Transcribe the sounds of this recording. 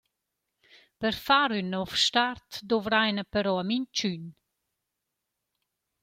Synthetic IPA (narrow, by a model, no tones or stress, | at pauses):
pəɾfaɾynːɔfʃtaɾt̪d̪ɔvɾajnəpəɾɔamint͡ʃyn